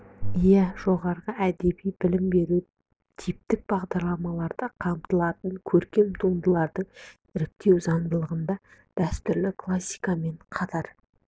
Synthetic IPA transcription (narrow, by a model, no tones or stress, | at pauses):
jæʒ̥o̞ʁɑɾʁəæd̪e̞bijbɪlɪmbe̞ɾu | t̪ʰijp̚t̪ɪk̚b̥ɑʁd̪ɑɾlˠɑmɑlˠɑɾd̪əqʰɑmt̪əlˠɑt̪əŋkʲʰɵɾkʲe̞mt̪ʰund̪əlˠɑɾd̪əɴ | ɪɾɪp̚t̪e̞wzɑnd̪əlˠəʁənd̪ɑ | d̪̥æst̪ʏɾlɪkʰlˠasʲːi̥jkame̞ɴqʰɑt̪ʰɑɾ